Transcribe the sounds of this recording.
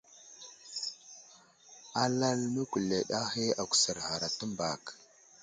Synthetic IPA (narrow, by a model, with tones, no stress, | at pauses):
a˦la˦lnə˦kʷu˨le˨ɗa˦he˦a˨kʷu̥˨sə˨ɾha˨ɾa˨tə˦mba˨k